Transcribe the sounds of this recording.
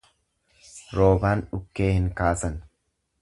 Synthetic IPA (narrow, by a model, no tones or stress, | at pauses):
ɾo̞ːbaːnᶑʊkːe̞ːhɪŋkaːsɐn